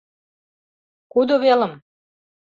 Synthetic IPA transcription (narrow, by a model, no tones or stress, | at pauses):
kud̪oβelə̆m